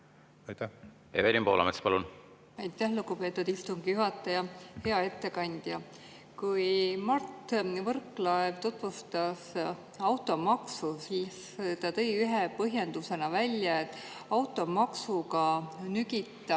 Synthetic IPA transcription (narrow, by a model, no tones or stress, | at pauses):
ḛvelʲimpoːlɑ̰met̪spɑlun | ɑjt̪ːˑæhluɡ̥upe̞t̪ːˑud̪ist̪umɡ̥ijuɦɑt̪ːˑɑjɑhe̞ɑe̞t̪ːe̞kɑnʲd̪̥jɑ | kujmɑrt̪vɤrkːlɑevt̪ot̪ːˑvust̪ɑs | ɑwt̪ːˑo̞mɑksusis | t̪ɑt̪ɤ̞jyɦepɤɦjend̪̥use̞nɑvælʲjɑe̞t̪ːˑ | ɑwt̪ːˑo̞mɑksukɑnyɡit̪ːˑɑ